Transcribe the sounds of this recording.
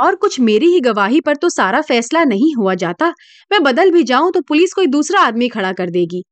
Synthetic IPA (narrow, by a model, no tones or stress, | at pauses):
ɔːɾkʊt͡ʃʰmeːɾiɦiɡɐʋaːɦipɐɾt̪osaːɾafɛːslanɐɦĩɦuad͡ʒaːt̪a | mɛ̃ːbɐd̪əlbʱid͡ʒaːũt̪opʊlɪskoːid̪uːsɾaaːd̪mikʰɐɽakɐɾd̪eːɡiː